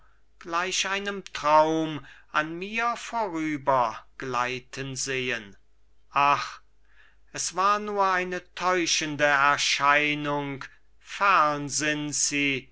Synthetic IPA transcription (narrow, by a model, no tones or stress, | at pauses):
ɡ̥laɪʃʔaɪnəmtʁ̥aʊmʔanmiːɐfoːʁyːbɐɡ̥laɪtʰənzeːən | ʔaχ | ʔɛsv̥aːɐnuːɐaɪnətʰɔʏʃəndəɛɐʃaɪnʊŋk | fɛʁnzɪnz̥iː